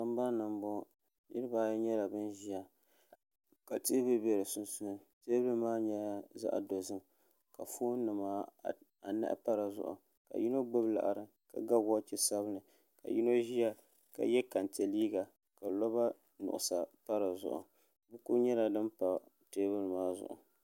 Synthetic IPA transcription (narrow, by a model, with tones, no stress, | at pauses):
a˦m˦ba˦nɨ˨mbo˦˨ | nɨ˦ɾɨ˦baː˦jɲɛ˦la˨bɨ˦nʒi˦ja˨ | ka˨teː˦bɨ˦bɛ˨ɾɨ˨sʊ˦nsʊ˦nɨ˨teː˦bɨ˦maː˦ɲɛ˦a˨za̰˦ʔa̰˨do˨zɨ˦m | ka˨fuː˦nɨ˨maː˦ | a˨na̰˦ʔpa˦ɾa˨zʊ̰˨ʔʊ̰˨ | ka̰˨ji˦no˦ɡ͡bɨ˦bla̰˨ʔa̰˨ɾɨ˨ | ka̰˨ɡa˦ɡa˦t͡ʃi˦sa˦βɨ˦nɨ˨ | ka̰˨ji˦no˦ʒi˦ja˦ | ka̰˨jɛ˦ka˨nte˨liː˦ɡa˨ | ka˨lɔ˦ba˦ | nʊ̰˨ʔʊ̰˨sa˨pa˦ɾa˨zʊ̰˨ʔʊ̰˨ | bu˦ku˦ɲɛ˦la˨dɨ˦mpa˨ | teː˦bɨ˦lmaː˦zʊ̰˨ʔʊ̰˨